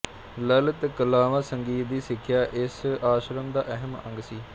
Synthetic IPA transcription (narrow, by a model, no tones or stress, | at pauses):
lələt̪kəlaːʋaːsəŋɡiːt̪̚d̪iːsɪkʰːjaːʔɪsaːʃɾəmd̪aːʔɛɦəmə̰̃ŋɡsiː